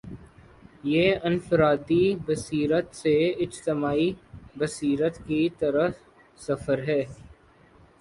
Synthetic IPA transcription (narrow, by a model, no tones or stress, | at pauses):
jeːɪnfɪɾaːd̪ibəsiːɾət̪seɪd͡ʒt̪ɪmaːibəsiːɾət̪kit̪əɾəf | sɐfəɾɦɛː